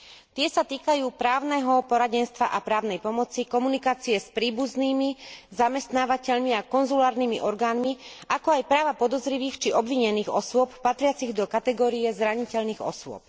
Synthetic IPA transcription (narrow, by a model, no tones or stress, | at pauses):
t̪ɪɛsat̪iːkajuːpɾaːʊnɛɦɔpɔɾaɟɛnst̪ʋa̰ʔapɾaːʊnɛjpɔmɔt͡sikɔmunikaːt͡siɛspɾiːbuzniːmizamɛst̪naːʋacɛʎmiakɔnzulaːɾniːmiʔɔɾɡaːnmiʔakɔajpɾaːʋapɔd̪ɔzɾiʋiːxt͡ʃiʔɔbʋiɲɛniːɣɔsʊɔppːat̪ɾɪat͡siɣd̪ɔkat̪ɛɡɔːɾijɛzɾaɲicɛʎniːɣɔ̰sʊɔ̰p̚